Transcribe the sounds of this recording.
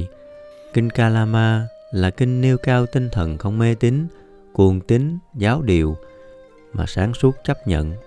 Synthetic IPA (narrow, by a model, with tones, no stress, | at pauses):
kï˧ŋ̟kaː˧laː˧maː˧ | laː˨˩kï˧ŋ̟ni˧əwkaː˧wt̪ï˧ŋt̪ʰə˨˩nxə˧wŋ͡mme˧t̪i˨˦ŋ̟ | ku˨˩əŋt̪ï˨˦ŋzaː˨˦wɗi˨˩əw | maː˨˩saː˨˦ŋsu˦˥ət̚t͡ɕa˦˥p̚ɲə̰˧˨n